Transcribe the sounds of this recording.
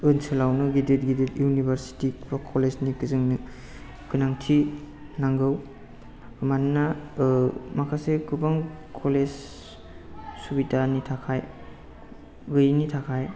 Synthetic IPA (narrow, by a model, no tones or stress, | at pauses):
ɯnsɯlawnɯɡidet̚ɡidetjunibʱaɾsi̥tikbakʰoleznikɯzɯŋnɯ | kɯnaŋtʰi | naŋɡɯw | manːa | makʰasekɯbaŋkʰolez | subitanitʰakʰaj | ɡɯjnitʰakʰaj